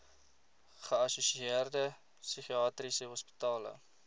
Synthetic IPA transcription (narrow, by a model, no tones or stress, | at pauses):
χəɐsusiiərdə | syχiɑːtrisəɦɔspi̥tɑːlə̰